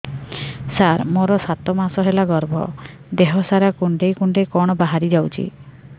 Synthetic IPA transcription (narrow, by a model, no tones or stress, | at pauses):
saɾmoɾɔsat̪ɔmasɔɦelaɡɔɾbʱɔ̰ | d̪eɦɔsaɾakuɳɖejkuɳɖejkɔɽ̃ɔbaɦaɾid͡ʒawt͡ʃʰḭ